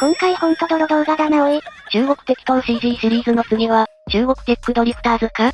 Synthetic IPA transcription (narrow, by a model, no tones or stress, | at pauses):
kõ̞ŋkaihõnt̪od̪oɾod̪o̞ːɡad̪anaoet͡ɕɨːɡo̞kɯ̟̥t̪ekʲɯ̥t̪õɕiːd̪iːsɨɾʲiːzɨno̞t͡sɯɡeβa | t͡ɕɨːɡo̞kɯ̟t̪ekːɯ̟d̪oɾʲipɯ̥t̪aːzɨka